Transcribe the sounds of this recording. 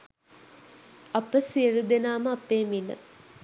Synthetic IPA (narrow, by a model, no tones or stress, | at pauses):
apəsiəɾud̪enaːməapːeːmilə̰